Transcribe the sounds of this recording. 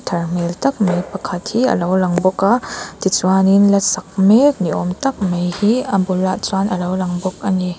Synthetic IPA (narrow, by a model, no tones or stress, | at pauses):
tʰɐɾm̥eltɐk̚mejpɐkʰɐthiɐ̰lowlɐŋbɔkatit͡swaninlɐsɐk̚mek̚niɔ̰mtɐk̚mejhiɐbulːat͡swanʔɐlowlɐŋbɔk̚ɐni